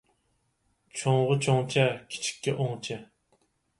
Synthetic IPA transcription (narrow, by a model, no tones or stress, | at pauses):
t͡ʃʰoŋʁət͡ʃʰoŋt͡ʃʰɛkʲʰi̥t͡ʃʰi̥kʲːɛʔoŋt͡ʃʰɛ